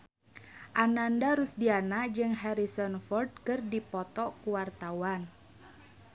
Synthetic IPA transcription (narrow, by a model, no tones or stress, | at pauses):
ʔanandaɾusdianaʔd͡ʒɨŋɦɛɾisɔnfɔrd̚kɨrdipɔt̪ɔkuwart̪awan